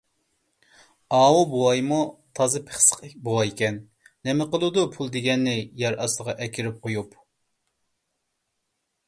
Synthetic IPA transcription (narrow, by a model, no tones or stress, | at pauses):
ɑːwubowɑjmut̪ʰɑzɨpʰe̥χsə̥qbowɑjkʲɛnː | ɛmɛqəlˠɨd̪upʰulˠd̪eɡʲɛnːɪjɛɾʔɑsˠəʁɑʔɛkʲʰiɾɪp̚qʰojup